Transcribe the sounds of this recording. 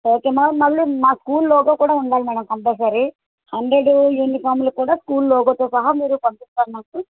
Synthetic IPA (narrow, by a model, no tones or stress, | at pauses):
oːkeːmɐmɐlːimaːskuːllɔːɡoːkuːɽaːuɳɖaːlimɛːɖɐmkɐmplɛːsaːɾi | hɐɳɖɾeɖuenːipʰaːɾmlukːuːɽaːskuːllɔːɡoːt̪oːsɐɦɐmiːɾupɐmpist̪aːɾnɐkːu